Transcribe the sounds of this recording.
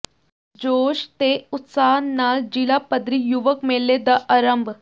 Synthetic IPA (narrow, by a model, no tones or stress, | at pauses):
d͡ʑoːɕt̪eut̪saːɦnːaːld͡ʑilapəd̪ɾijuʋəkmelːed̪əʔəɾəmbʱ